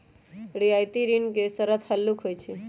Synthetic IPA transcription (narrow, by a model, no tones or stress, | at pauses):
ɽiajt̪iɾinkesəɾət̪ʰhəlːukɦojt͡ʃʰe